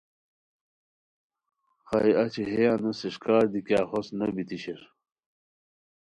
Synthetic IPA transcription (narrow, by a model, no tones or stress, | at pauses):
xɑiɐt͡ɕiɦejanusiɕkaːɾd̪ikjaːxosnɐbit̪iɕeɾ